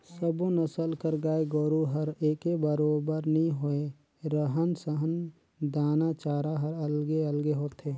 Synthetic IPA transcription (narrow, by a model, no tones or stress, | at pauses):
səbonəsəlkəɾɡaːeɡɔːɾuɦəɾeːkebəɾoːbəɾnəɦĩɦoe | ɾəɦənsəɦən | d̪aːnat͡ʃaːɾaɦəɾəlɡeəlɡeɦoːt̪ʰeː